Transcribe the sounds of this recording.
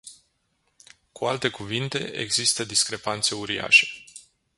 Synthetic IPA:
kualt̪e̞kuvint̪e̞̰ʔḛɡzist̪əd̪iskɾe̞pant̪se̞uɾia̰ʃe̞̥

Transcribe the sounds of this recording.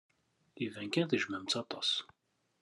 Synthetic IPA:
ivæŋkʲɛθiʒmæmt͡sɑt̪ɔs

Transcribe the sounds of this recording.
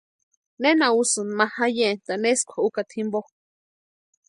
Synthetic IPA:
nenausɨnmãhajent̪aneskʷʰaukat̪ʰimbo

